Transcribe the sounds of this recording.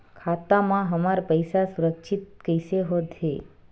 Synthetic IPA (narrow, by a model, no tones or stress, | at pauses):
kʰat̪amãɦəmaɾpəjsasuɾəkʃʰit̪̚kəjseɦod̪ʱe